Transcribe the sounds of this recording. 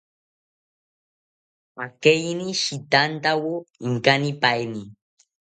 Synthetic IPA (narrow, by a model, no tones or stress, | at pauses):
akejniʃit̪ant̪awuiŋkanipajni